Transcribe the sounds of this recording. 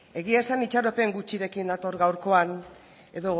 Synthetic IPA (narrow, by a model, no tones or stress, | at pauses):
e̞ɣiasanit͡ʃaɾo̞pe̞ŋɡut͡ʃiɾe̞kinat̪o̞ɾɣawɾko̞an | e̞ðo̞